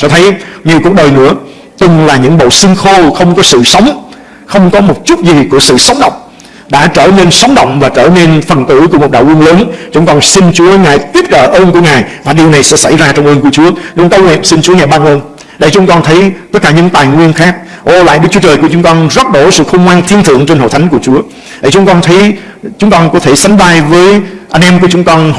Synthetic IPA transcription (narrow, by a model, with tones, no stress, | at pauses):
t͡ɕɔ˧t̪ʰə˨˦jɲi˨˩əwku˨˩ək̚ɗəː˨˩jnɨ̰˧˥ə | t̪ɨ˨˩ŋlaː˨˩ɲɨ̰˧˥ŋɓo̰˧˨sï˧ŋxo˧xə˧wŋ͡mkɔ˨˦sɨ̰˧˨sə˨˦wŋ͡m | xə˧wŋ͡mkɔ˨˦mo˨˩t̚t͡ɕʊ˦˥t̚zi˨˩ku˧˩əsɨ̰˧˨sə˨˦wŋ͡mɗə̰˧˨wŋ͡m | ɗa̰ː˧˥t͡ɕəː˧˩ne˧nsə˨˦wŋ͡mɗə̰˧˨wŋ͡mvaː˨˩t͡ɕəː˧˩ne˧nfə˨˩nt̪ɨ˧˩˥ku˧˩mo˨˩t̚ɗa̰ː˧˨wu˧nləː˨˦nt͡ɕʊ˨˦ŋ͡mkɔ˧nsi˧nt͡ɕu˨˦əŋaː˨˩jt̪i˦˥ət̚ɗəː˧˩ʔəː˧nku˧˩əŋaː˨˩jvaː˨˩ɗi˨˩əwna˨˩jsɛ̰˧˥sa˧˩jzaː˧t͡ɕɔ˧wŋ͡mʔəː˧nku˧˩ət͡ɕu˨˦əɲʊ̰˧˦kə˧wŋɛ̰˧˨nsi˧nt͡ɕu˨˦əŋaː˨˩jɓaː˧noː˧n | ɗə˧˩jt͡ɕʊ˨˦ŋ͡mkɔ˧nt̪ʰə˨˦jt̪ə˦˥t̚kaː˧˩ɲɨ̰˧˥ŋt̪aː˨˩jŋwi˧ənxaː˦˥k̚ʔo˧˩la̰ː˧˨jɗɨ˦k̚t͡ɕu˨˦t͡ɕəː˨˩jku˧˩ət͡ɕʊ˨˦ŋ͡mkɔ˧nzə˦˥t̚ɗo˧˩sɨ̰˧˨xə˧wŋ͡mkwaː˧nt̪ʰi˧ənt̪ʰɨ̰˧˨əŋt͡ɕe˧nho̰˧˨jt̪ʰa˨˦jŋ̟ku˧˩ət͡ɕu˨˦ə | ɗə˧˩jt͡ɕʊ˨˦ŋ͡mkɔ˧nt̪ʰə˨˦j | t͡ɕʊ˨˦ŋ͡mkɔ˧nkɔ˨˦t̪ʰe˧˩sa˨˦jŋ̟ɓaː˧jvəː˨˦jʔa˧jŋ̟ʔɛ˧mku˧˩ət͡ɕʊ˨˦ŋ͡mkɔ˧n